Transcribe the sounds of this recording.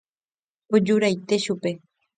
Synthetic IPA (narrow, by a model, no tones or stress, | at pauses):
od͡ʒuɾajt̪e̞ʃupe̞